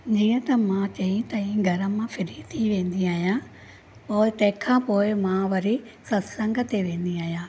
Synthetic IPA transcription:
d͡ʑiːə̃t̪ɐmãt͡ɕɐĩt̪ɐĩːɡʱɐɾə̆mãfɪɾit̪ʰiʋẽːnd̪iaːɦijã | poːɪt̪ɐ̃ɦɪ̃kʰãːpoːɪmãːʋɐɾisɐsɐ̃ŋɡʱət̪eʋẽːn̆d̪iaːɦijãː

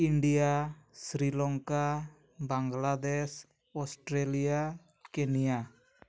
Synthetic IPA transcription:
inɖiasɾilɔŋka | baŋɡladɛs | ɔst̪ɾɛlia | kɛnia

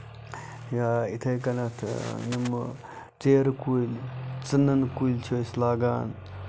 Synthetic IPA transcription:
jaːit̪ʰɐjkɐnɐt̪ʰjim | t͡seːɾkuilt͡sɨnːɐnkujlt͡ʃʰoːslaːɡa̰ːn

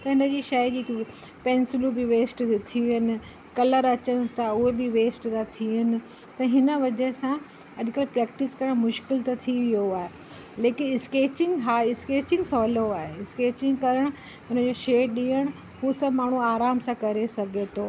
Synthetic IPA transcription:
t̪ɐɦɪnə̆d͡ʑiːʃɐid͡ʑiːk | pɛ̃ːnsɪlubɪʋeːsʈt̪ʰiʋiənɪ̆ | kɐləɾɐt͡ɕəɽ̃ɪst̪ʰaʊɦebɪʋeːsʈt̪ãt̪ʰiənɪ̆ | t̪ɐɦɪnəʋɐd͡ʑesã | ɐʄkəlpɾɛːk̚ʈɪskɐɾəɽ̃mʊʃkɪlt̪ɐt̪ʰiʋijoaːɦe | leːkɪnɪskeːt͡ɕɪ̃ŋɡɦaːɪskeːt͡ɕɪ̃ŋɡsɔːloaːɦeɪskeːt͡ɕɪ̃ŋɡkɐɾəɽ̃ | ʊnəd͡ʑoːʃeːɗĩːəɽ̃ | ɦuːsɐbmaːɳ̤uaːɾaːmsãkɐɾesɐɡʱet̪ʰoː

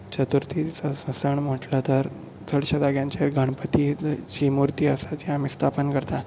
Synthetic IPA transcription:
t͡ɕət̪uɾt̪it͡sasəsəɳm̤əʈlat̪əɾ | t͡sʰəɽɕad̪aɡjãɲt͡ɕaɾɡʱəɳpət̪it͡ɕimuɾt̪iːəsat͡ɕiamist̪ʰapənkəɾt̪a

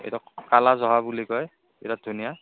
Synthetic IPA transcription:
ḛjtɔkalazɔɦabulikɔj | ḛtadʱunija

